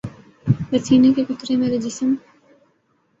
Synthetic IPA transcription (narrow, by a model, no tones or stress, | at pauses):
ʋɐsiːnekekʊt̪ɾemeːɾed͡ʒɪsəm